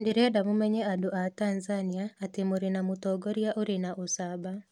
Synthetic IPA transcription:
ndeɾɛdamomɛɲɛadoʔatanzaniaːtemoɾenamotɔːɡɔɾjaʔoɾenaʔosaba

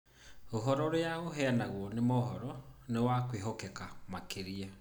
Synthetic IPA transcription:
oɦɔɾɔɾeaɣoɦɛanaɣwɔnemoɦɔɾɔnewakweɦɔkɛkamakeɾia

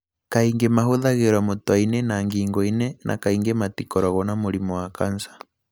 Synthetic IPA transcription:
kaiŋɡemaɦoðaɣeɾwamotwainɛnaŋɡiːŋɡɔinɛnʔa̰kaiŋɡɛmatikɔɾɔɣɔnamoɾimɔwakansḁ

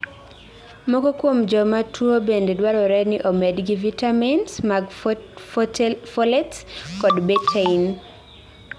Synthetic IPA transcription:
mɔkɔkwomd͡ʒɔmatʰwobendedwaɾɔɾɛnɪʔomedɡivitaminsmaɡ | fɔlɛtskɔdbetʰein

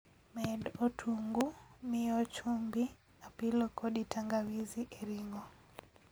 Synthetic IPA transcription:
mɛdotʰuŋɡumɪɔt͡ʃumbi | apilɔkʰɔɗitʰaŋɡawiziʔeɾiŋɔ

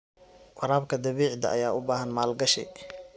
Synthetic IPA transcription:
wɑɾaːbkʰɐd̪ɐβiːʕd̪ɐ̰ʔɐ̰jaːʊbaːɦɐnmaːlɡɐʃɛ̰

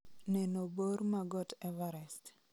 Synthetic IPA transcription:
nɛnoboɾmaɡɔtɛvɛɾɛst

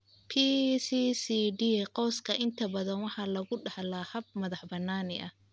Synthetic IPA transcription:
pʰisisiɖiqɔːskʰɐʔɪnt̪ʰɐbɐðɐnwɑħɑlɐɣʊɖɑħlahɐb̚mɐðɑħbɐnːaːnɪʔɐ

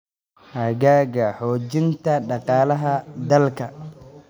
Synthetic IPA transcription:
hɐɣaːɣɐħɔːt͡ʃɪnt̪ʰɐɖɑqɑːlɐɦɐd̪ɐlkʰɐ

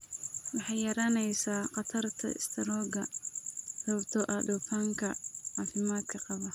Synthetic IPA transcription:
wɑħɑjjɐɾaːnɛjsaːqɑt̪ʰɐrt̪ʰɐ̰ɪ̰st̪ʰɐɾɔːɡɐ | rɐbt̪ʰɔʔɐd̪ɔːfaːŋkʰɐʕaːfɪmaːd̪̥kʰɐqɑβɐ

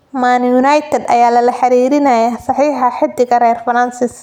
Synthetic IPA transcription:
manjunɐjt̪ʰɛd̪ɐ̰jaːlɐlɐħɑɾiːɾɪnɐjasɑħiːħɑħɪd̪ːɪɣɐɾɛːrfɐɾansɪs

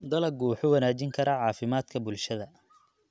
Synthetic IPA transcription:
d̪ɐlɐɡuːħʊwɐnaːt͡ʃɪŋkʰɐɾɐʕɑːfɪmaːd̪kʰɐbʊlʃɐðɐ

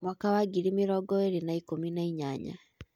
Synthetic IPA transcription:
mwakawaɡiɾimiɾɔɡɔeɾenaikominaiɲa̰ɲa̰

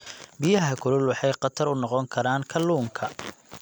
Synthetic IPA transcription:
bijɐɦɐkʰʊlʊlwɑħɑjqɑt̪ʰɐɾʊnɔqɔŋkʰɐɾaːŋkʰɐlːuːŋkʰɐ

